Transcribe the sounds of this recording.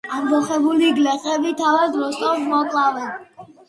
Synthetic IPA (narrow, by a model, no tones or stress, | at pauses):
ambɔχɛbuliɡlɛqʼɛbit̪ʰavad̪ɾɔsʼɔfmɔkʼlˠavɛn